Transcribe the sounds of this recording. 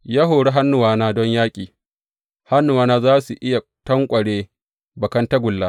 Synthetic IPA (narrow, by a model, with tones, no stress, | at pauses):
jaː˦ɦoː˨ɽe˦ɦa˦nːʊ˨waː˦naː˦dɔ˦ɲjaː˦kʲʼiː˨ | ha˦nːʊ˨waː˦naː˦zaː˦su˨ʔɪ˦ja˨ | tɐ˦ŋkʷʼɐ˨ɽeː˦ | bɐ˨kɐ˦nta˦ɡʷʊ˨lːaː˦